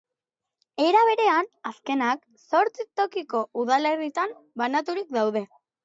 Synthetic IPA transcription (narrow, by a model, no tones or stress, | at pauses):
e̞ɾaβ̞e̞ɾe̞anaske̞nak | so̞ɾt͡sit̪o̞kiko̞uðale̞rit̪ambanat̪uɾik̚d̪awðe̞